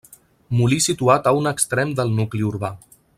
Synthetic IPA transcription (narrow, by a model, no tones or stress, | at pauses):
mulisit̪uat̪əunəkst̪ɾɛmd̪əlˠnukliuɾβa